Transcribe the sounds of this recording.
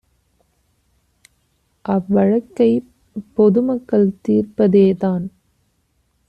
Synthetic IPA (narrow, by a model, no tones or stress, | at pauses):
ʔɐʋʋɐɻɐkːɐɪ | pːɔðɯmɐkːɐɭt̪iːrpɐðeːðaːn